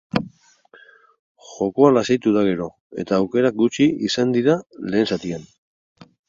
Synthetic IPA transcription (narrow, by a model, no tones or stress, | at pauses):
ʝo̞ko̞alasejt̪uðaɣ̞e̞ɾo̞ | e̞̰t̪aːwke̞ɾak̚ɡut͡ʃiisand̪iɾale̞ːnsat̪ian